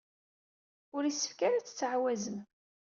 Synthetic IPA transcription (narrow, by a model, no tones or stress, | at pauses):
ʊɾisə̥fkaɾat͡sːə̥t͡sːʕwæzəm